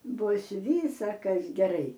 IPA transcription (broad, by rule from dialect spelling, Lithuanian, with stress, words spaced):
ˈbʊs ˈʋʲiːsɐkɐs ɡʲɛˈrɐɪ